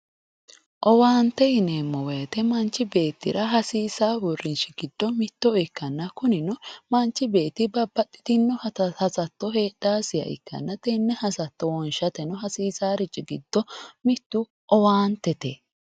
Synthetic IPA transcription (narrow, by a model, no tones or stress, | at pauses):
ʔɔwaːnt̪ːɛhɪneːmːɔwɛjɐt̪ɛmɐnt͡ʃːɪbe̞ːt̪ːɪɾɐɦɐsiːsaːbɔrɪnʃɪɡɪd̪̥ːɔmɪt̪ːɔɪkːɐnːɐkʊnɪnɔmɐnt͡ʃːɪbe̞ːt̪ːɪbɐbːɐt̪ʼːɪ̥t̪ɪnːɔhɐsɐt̪ːɔɦeːdaːsɪjɐ̰ʔɪ̰kːɐ̰nːɐt̪ɛnːɛhɐsɐt̪ːɔwɔnʃɐt̪ɛnɔɦɐsiːsaːɾɪt͡ʃʼːɪɡɪd̪̥ːɔmɪt̪ːʊ | ʔɔwaːnt̪ːɛt̪e